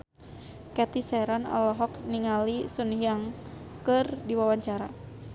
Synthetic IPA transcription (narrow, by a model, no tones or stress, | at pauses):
kɛt̪isɛɾana̰lɔɦɔkniŋalisunɦjaŋ | kɨrdiwawaɲt͡ʃaɾa